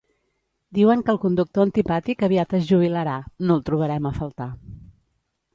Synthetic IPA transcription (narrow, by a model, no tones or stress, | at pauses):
d̪iwəŋkəːlˠkund̪uk̚t̪oənt̪ipat̪ikəβiat̪əzʒuβ̞iləɾanolˠt̪ɾuβ̞əɾɛməfəlˠt̪a